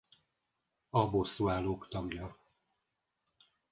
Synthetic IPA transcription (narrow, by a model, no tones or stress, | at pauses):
ɒbosːuaːloːkt̪ɒɡjɒ